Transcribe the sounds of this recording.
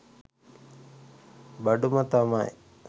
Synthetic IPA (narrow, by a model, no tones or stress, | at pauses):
bɐɖumət̪amaj